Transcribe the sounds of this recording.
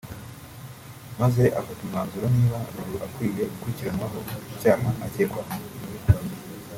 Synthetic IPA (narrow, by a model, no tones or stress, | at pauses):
maze̞ʔafatimhaːnzuɾoniːβaɾuɾuʔakwiːje̞ɡukuɾiciɾanwaɦo̞ucaːɦaʔacekwaɦa